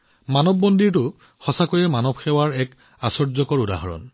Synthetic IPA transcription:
manɔbːɔndiɹtʊ | xɔsakojɛmanɔbxɛwaɹɛk | asɔɹzɔkɔɹuda̰ɦɔɹɔ̰n

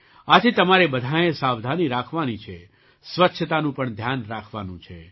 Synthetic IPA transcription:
ad͡ʒet̪əmaɾebəd̪ʱajẽsaʋd̪ʱaniɾakʰʋanit͡ʃʰe | sʋətːʃʰət̪anũpəɳd̪ʱjanɾakʰʋanṵ̃t͡ʃʰe

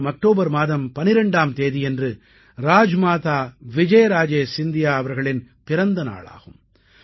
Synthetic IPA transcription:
mɐk̚ʈoːbɐɾmaːðɐmpɐnɪɾɐɳɖaːmt̪eːðijɛndrɯ | ɾaːd͡ʒmaːt̪aːʋɪd͡ʒɐjɾaːd͡ʒeːsɪnd̪ɪjaːɐʋɐɾɣɐɭɪn | pɪɾɐnd̪ɐna̰ːɭa̰ːɣɯm

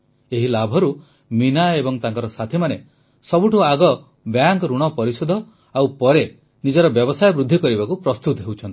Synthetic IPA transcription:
eɦilabʱɔɾu | minaebɔŋt̪aŋkɔɾɔsat̪ʰimane | sɔbuʈuaɡɔ | bjaŋkɾuɽ̃ɔpɔɾisud̪ʱɔ | awpɔɾe | nid͡ʒɔɾɔbjɔbɔsajɔbɾud̪ʱːikɔɾibakupɾɔst̪ut̪ɔɦewt͡ʃʰɔnt̪i̥

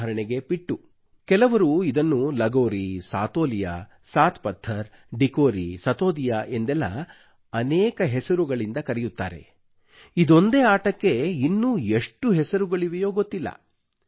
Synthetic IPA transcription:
ɐɾɐɳeɡe̞piʈːu | kɛlɐʋɐɾuid̪ɐnːulɐɡoːɾisa̰ːt̪o̞ːlija̰ː | saːt̪ʰpɐd̪ʱːɐɾ | ɖikoːɾisɐt̪oːd̪ijaʔend̪ɛlːɐ̰ | ɐnɛːkɐɦɛsɐɾuɡɐɭind̪ɐkɐɾɛjut̪ːa̰ːɾe̞̰ | id̪o̞nd̪eːaːʈɐkːe̞inːueʂʈuɦɛsɐɾuɡɐɭiʋɛjoːɡo̞t̪ːilːɐ̰

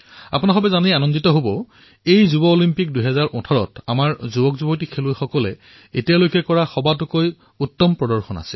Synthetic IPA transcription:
a̰punaxɔbɛzanianɔnditɔɦobɔ | ejzubɔolimpik̚dujɦɛzaɹʔɔtʰɔɹɔ̰tamaɹzubɔkzubɔt̬ikʰelʊjxɔkɔlɛ | etijalojkɛkɔɹaxɔbatʊkoj | utːɔmpɹɔdɔɹxɔna̰sil

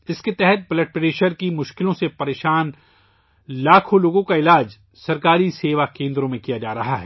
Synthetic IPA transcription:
ɪsket̪ɛɦɛt̪̚bɪlɛʈ̚pɾeːʃəɾkimʊʃkɪlõsepɐɾeːʃaːn | laːkʰõloːɡõkaɪlaːd͡ʒ | sɐɾkaːɾiseːʋakẽːnd̪ɾõmẽkijad͡ʒaːɾɐɦaɦɛː

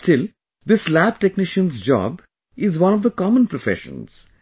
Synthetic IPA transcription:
sʈɪl | d̪ɪslæb̚ʈɛknɪʃə̃nzd͡ʒɔ̰ːb | ɪzʋʌ̃nɔʋd̪əkɔmə̃npɾofɛ̰ʃə̰̃nz̥

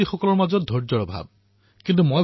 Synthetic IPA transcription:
ixɔkɔlɔɹmazɔt̚dʱɔɹd͡ʒɔɹɔbʱa̰b̚ | kint̪̬umoj

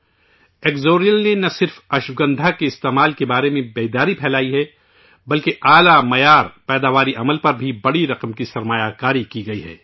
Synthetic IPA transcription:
eːkzoːɾijəlnenɐsɪɾfɐʃwɡɐ̃nd̪ʱakeɪst̪eːmaːlkebaːɾemẽbeːd̪aːɾipʰɛːlaːiɦɛ | bɐlkeʔaːlamɐjaːɾpɛːd̪aːʋaːɾiʔɐməlpɐɾbʱibɐɽiɾɐqəmkisɐɾmaːjakaːɾikiɡɐiɦɛ̰ː

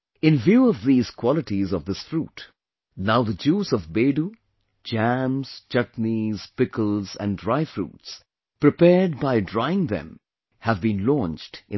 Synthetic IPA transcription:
ɪ̃nvjuːɔvðiːz̥kʰw̥ɔlɨʈizɔvðɪsfɾut | naʊðəd͡ʒuːzʌvbeɖu | d͡ʒæ̃mz̥t͡ʃʌtniz̥pɪkəl̩ˠzæ̰̃ndɹaɪfɹṵːts | pɾɨpɛɹɖ̚baɪdɹaɪɪ̃ŋðɛ̰̃m | hævbĩnlɔ̃nt͡ʃdʔɪ̃

